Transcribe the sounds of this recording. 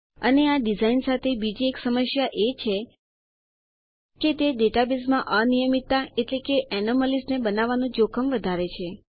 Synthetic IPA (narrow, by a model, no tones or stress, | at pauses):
əneaɖizainsat̪ʰebid͡ʒieksəməʃjaʔet͡ʃʰe | ket̪eɖeʈabismãʔənijəmit̪ːaeʈlekeʔɛnoməlisnebənaʋanũd͡ʒokʰəmʋəd̪ʱaɾet͡ʃʰe